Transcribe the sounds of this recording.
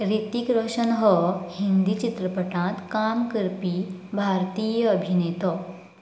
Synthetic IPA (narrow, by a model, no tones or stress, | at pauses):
ɾit̪ikɾəɕənɦɔhind̪it͡ɕit̪ɾəpəʈãt̪kamkəɾpiːbʱaɾt̪iːjəəbʱinet̪ɔ